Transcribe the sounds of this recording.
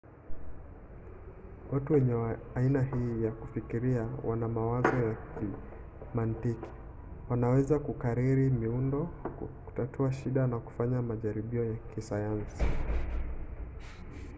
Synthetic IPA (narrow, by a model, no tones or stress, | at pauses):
watuwɛɲɛainahiːjakufikiɾiawanamawazɔjaki | mantiki̥ | wanawɛzakukaɾiɾimiundɔku̥tatʰuaʃiɗanaku̥faɲamaʄaɾiɓiɔjakisajansi